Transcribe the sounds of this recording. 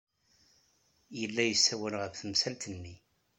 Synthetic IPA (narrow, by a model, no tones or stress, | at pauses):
jəlːæjəsːæwəlʁəðθəmsælt̪ənːi